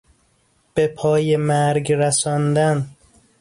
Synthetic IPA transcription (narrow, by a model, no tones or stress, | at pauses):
b̥epʰɒːjemæɾɡɾæsɒːnd̪æn